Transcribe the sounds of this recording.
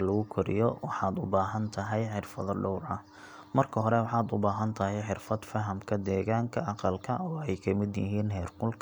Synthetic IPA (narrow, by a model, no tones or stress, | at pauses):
lɐɣʊkʰɔɾɪ̰jɔwɑħɑːd̪ʊbaːɦɐnt̪ʰɐɦɛjħɪrfɐðɔɖɔwrɐh | mɐrkʰɐɦɔɾɛwɑħɑːd̪ʊbaːɦɐnt̪ʰɐɦɛjħɪrfɐd̪fɐɦɐmkʰɐd̪ɛːɣaːŋkʰɐʔɑqɑlkʰɐɔːɛjkʰɐmɪd̪jɪ̰ɦiːnɦɛːrqʊlkʰ